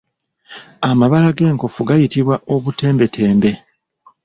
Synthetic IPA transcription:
amaβalaɡe̞ːŋko̞fuɡajitiβwaʔo̞βute̞ːmbe̞tʰe̞ːmbe̞

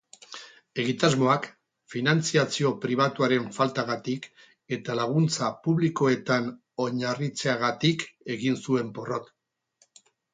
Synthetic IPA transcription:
e̞ɣ̞it̪azmo̞ak | finant͡siat͡sio̞pɾiβ̞at̪uaɾe̞ɱfalt̪aɣat̪ik | e̞t̪alaɣ̞unt͡sapuβliko̞e̞t̪an | o̞ɲarit͡se̞aɣat̪ike̞ɣinsue̞mpo̞ro̞t̪

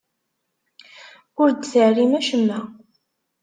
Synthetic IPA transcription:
ʊɾd̪θəʕrimæʃəmːæ

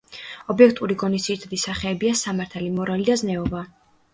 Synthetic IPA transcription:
ɔbiɛkʰt̪ʼuɾiɡɔnisiɾt̪ʰad̪isaχɛːbiasamaɾt̪ʰalimɔɾalid̪aznɛɔba

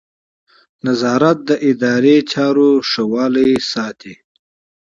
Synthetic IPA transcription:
nazɑːɾat̪̚d̪əʔɪd̪ɑːɾet͡ʃɑːɾoʂawɑːləjsɑːt̪ʰi

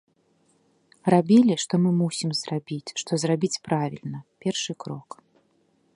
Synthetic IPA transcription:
rabʲilʲiʂt̪ɔmɨmusʲimzrabʲit͡sʲʂt̪ɔzrabʲit͡sʲpɾavʲḭlʲnɐpʲɛrʂɨkɾɔk

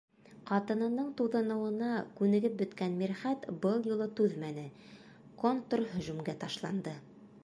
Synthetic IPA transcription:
qɑt̪ɤ̆nɤ̆nɤɴt̪uðɤ̆nɤ̆wɤ̆nɑkʉnɘ̆ɡɘp̚bɵ̆t̪kænmiɾχæt̪bɤlˠjulˠɤt̪ʉðmænɘ | kont̪rɦɵ̆ʒʉmɡæt̪ɑʃlˠɑnd̪ɤ

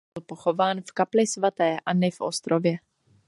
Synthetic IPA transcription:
lpoxo̞vaːnfkaplɪsvat̪ɛːʔanɪfʔo̰st̪ɾovjɛ

